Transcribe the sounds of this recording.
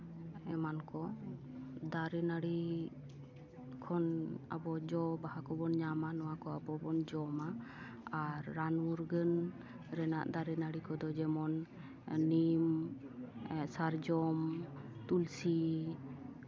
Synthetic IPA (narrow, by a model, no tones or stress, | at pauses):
ɛmankɔ | d̪aɾɛnaɽi | kʰɔna̰bɔd͡ʒɔbahakɔbɔnɲamanɔwakɔabɔbɔnd͡ʒɔmaː | ɾːanmuɾɡən | ɾɛna̰ʔd̪aɾɛnaɽikɔd̪ɔd͡ʒɛmɔnː | im | saɾd͡ʒɔmt̪ulsi